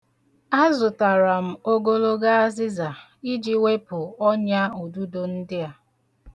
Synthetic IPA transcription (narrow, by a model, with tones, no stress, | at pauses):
a˦zʊ˨ta˨ɾa˨m̩˨o˦ɡo˦lo˦ɡa˦a˦zɪ˦za˨ | i˦d͡ʒi˦we˦pʊ˨ɔ˦ɲa˦u˨du˦do˨n̩˦dɪ˦a˦